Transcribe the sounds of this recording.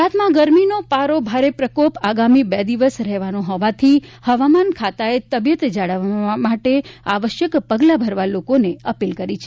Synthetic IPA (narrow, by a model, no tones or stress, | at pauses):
at̪mãɡəɾminopaɾobʱaɾepɾəkopaɡamibɛd̪iʋəsɾɛɦʋanoɦɔʋat̪ʰihəʋamankʰat̪aet̪əbjət̪d͡ʒaɭəʋmaʈea̰ʋəʃjəkpəɡlabʱəɾʋalokoneəpilkəɾit͡ʃʰe